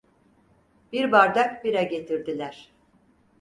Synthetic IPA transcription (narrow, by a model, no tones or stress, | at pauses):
b̥iɾbaɾd̪akbiɾɛɟe̞t̪ʰiɾd̪ilʲæɾ̥